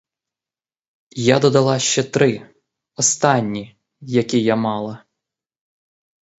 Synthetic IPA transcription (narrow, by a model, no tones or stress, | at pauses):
jad̪ɔd̪ɐlˠɑʃt͡ʃɛt̪ɾɪ | ɔst̪ɑnʲːi | jɐkʲijamɑlˠɐ